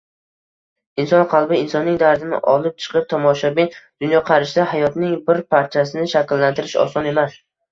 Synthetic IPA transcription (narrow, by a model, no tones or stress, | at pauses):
ɪnsɒnqʰɑlˠbɪɪnsɒnːɪŋd̪aɾd̪ɪnɪ̰ʔɒlˠɪp̚t͡ʃʰɨ̥qʰɨp̚t̪ʰɒmɒʃabind̪̥ʊnjɒqʰɑɾɪʃd̪ahajɒt̪nɪŋbɪɾpʰaɾt̪t͡ʃʰasɪnɪʃakʲlːant̪ʰɪɾɪʃɒ̰sɒne̞mas